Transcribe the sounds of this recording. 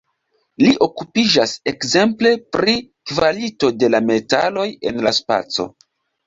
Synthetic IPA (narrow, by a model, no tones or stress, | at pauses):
liʔo̞kupid͡ʒase̞kze̞mple̞pɾikvalito̞de̞lame̞talo̞je̞̰nlaspa̰t͡so̞̰